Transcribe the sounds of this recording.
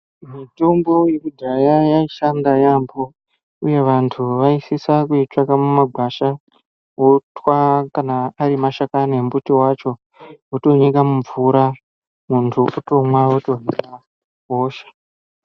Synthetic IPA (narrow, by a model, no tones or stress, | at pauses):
mitombo̞jekudʱajajaiʃandajambo̞ | uje̞ʋantʰuʋaisisakuit͡ʂakamumaɡʱwaʃa | wotwakanaːɾimaʃakane̞mbutiwat͡ʃo̞ | woto̞ɲikamuɱvuɾa | muntʰuʔuto̞mwawoto̞ɲika | ɦoːʃḁ